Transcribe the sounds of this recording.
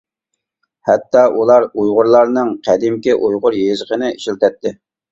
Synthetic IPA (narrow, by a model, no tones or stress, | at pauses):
hɛt̪ːɑʔulˠɑɾujʁʊɾlˠɑɾnɨŋqʰæd̪ɪmkʲɪʔujʁʊɾjezəqənɪiʃilt̪ʰɛt̪ːɪ